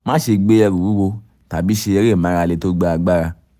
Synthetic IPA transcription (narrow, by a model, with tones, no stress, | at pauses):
mã˦ʃe˧ɡ͡be˦jɛ˧ɾu˨u˦wo˧ | ta˨bi˦ʃe˧jɛ˧ɾe˦˨mã˨˦ɾa˧le˧to˦ɡ͡ba˦a˧ɡ͡ba˦ɾa˧